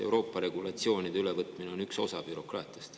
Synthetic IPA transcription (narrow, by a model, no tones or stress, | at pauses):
e̞wɾo̞ːpːˑɑɾe̞ɡ̥ulɑt̪sio̞ːnid̪eylevɤt̪ˑmineo̞nykso̞sɑb̥yɾo̞krɑːt̪ˑiɑst̪